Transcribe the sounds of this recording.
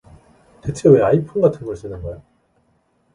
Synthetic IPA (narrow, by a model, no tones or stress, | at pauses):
tetʰweaipʰunɡatʰɯnɡʌɭs͈ɯnɯnɡʌjo